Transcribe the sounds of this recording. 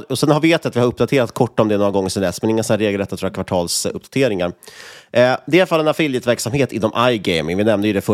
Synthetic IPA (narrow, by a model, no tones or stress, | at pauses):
ɔsɛnhaɾvɪeːt̪ːɪat̪vɪhaɾɵpd̪at̪ʰeːɾat̪kʰɔʈːaɔmd̪ɛːnoːɾaɡɔŋːəɾʂɛmlɛːsmɛnɪŋːənsɔnæːɾeːɡəlɾɛt̪ːat̪ʰːɾɔːakvaʈʰɑːlsɵ̰p̚ːd̪ḁt̪ʰeːɾɪŋaɾ | d̪ɛfalːɛnafɪljət̪væɾksamheːt̪ɪnːɔmʔajɡɛɪmɪŋvɪnɛmnəjʏd̪ɛfœ